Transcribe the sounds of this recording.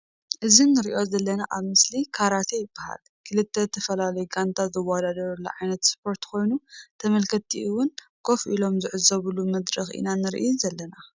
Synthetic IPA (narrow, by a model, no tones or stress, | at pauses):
ʔɨzinːɨɾiʔo̞zɐlːɐnaʔaβmɨslikʰaɾat̪ʰejɪb̥ːaha̰l | kʰɨlɨt̪ʰːet̪ʰɐfɐlalɐjɡant̪ʰazɐwad̪ad̪ɐɾulːɐ̰ʕajnɐt̪spʰo̞ɾt̪kʰo̞jnut̪ʰɐmɐlkʰɐt̪ʰːiʔɨwʊn | kʰo̞fʔilo̞mzɨʕɨzɐβulumɐd̪ɾɐxʔḭnanɨɾʔḭunzɐlːɐna